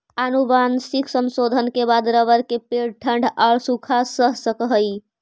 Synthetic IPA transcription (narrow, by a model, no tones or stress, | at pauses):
anubansikʰsənsod̪ʱənkebad̪ɾəʋəɾkepeɽʈʰəɳɖʱaɭsukʰasəɦsəkəɦəj